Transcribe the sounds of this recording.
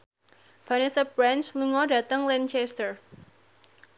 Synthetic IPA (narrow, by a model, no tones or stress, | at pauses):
fanɛsabɾansluŋɔdä̤t̪əŋlɛnt͡ʃɛst̪ər